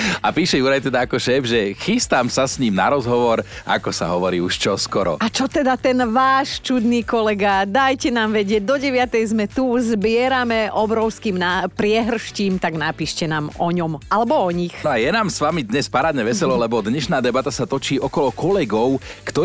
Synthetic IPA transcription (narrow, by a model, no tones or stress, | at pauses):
apiːʃɛjuɾajt̪ɛd̪aakɔʃɛːvʒɛxist̪amsasɲiːmna̰ɾɔzɦɔʋɔɾʔa̰kɔsa̰ɦɔʋɔɾḭːuʃt͡ʃɔskɔɾɔ̰at͡ʃɔt̪ɛd̪at̪ɛnʋaːʃt͡ʃud̪niːkɔlɛɡad̪ajcɛnaːmʋɛɟɪɛɟ̚d̪ɔɟɛʋɪat̪ɛjzmɛt̪uzbɪɛɾamɛʔɔbɾɔʊskiːmnapɾɪɛɦr̩ʃciːmt̪aɡnapiːʃcɛnaːmɔɲɔmʔalɛbɔɔɲixnɔajɛnaːmsʋamid̪ɲɛspaɾaːd̪ɲɛʋɛsɛlɔlɛbɔd̪ɲɛʃnaːd̪ɛbat̪asat̪ɔt͡ʃiːʔɔkɔlɔkɔlɛɡɔʊkt̪ɔ